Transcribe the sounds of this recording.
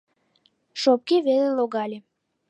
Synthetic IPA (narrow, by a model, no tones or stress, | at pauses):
ʃop̚kiβeleloɣɑlʲe